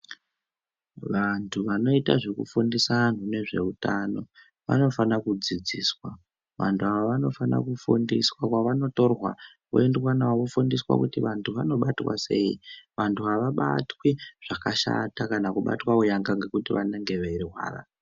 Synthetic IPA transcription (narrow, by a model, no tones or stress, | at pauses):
ʋantʰuʋano̞itaʐekṵfundisan̤une̞ʐe̞̰utano̞ | ʋa̰no̞fanakud͡zid͡ziːswa | ʋantʰuaʋaʋano̞fana̰kufundiswakwaʋano̞to̞rwa̰ | kuendwanawakufundiswa̰kutiʋantʰuʋano̞ɓatwa̰se̞ḭʋantʰuaʋaɓa̰twiʐ̥akaʃa̰takanakuɓa̰twaujaŋɡaŋɡe̞kutiʋaneŋɡe̞ʋeɾiɦwa̰ːra̰